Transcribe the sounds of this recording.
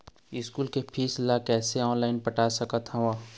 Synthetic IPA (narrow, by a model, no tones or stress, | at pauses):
ɪskuːlkepʰiːslakɛːseɔːnlaːɪnpɐʈaːsɐkət̪ɦɐ̃ʋaː